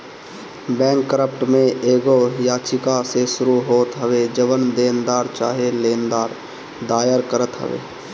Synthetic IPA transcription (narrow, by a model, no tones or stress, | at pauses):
bɛ̃ːŋkːəɾəpʈmẽeːɡojaːt͡ʃɪkasesʊɾuɦoːt̪ɦəʋed͡ʒəʋənd̪eːnd̪aːɾt͡ʃa̰ːɦeleːnd̪aːɾ | d̪aːjəɾkəɾət̪ɦə̰ʋḛː